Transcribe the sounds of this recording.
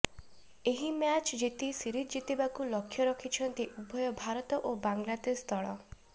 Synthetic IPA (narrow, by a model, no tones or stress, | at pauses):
eɦimjat͡ʃd͡ʒet̪isiɾit̪d͡ʒit̪ibakulɔkʰːjɔɾɔkʰit͡ʃʰɔnt̪iʔubʱɔjɔbʱaɾɔt̪ɔʔobaŋɡlat̪est̪ʰɔɭɔ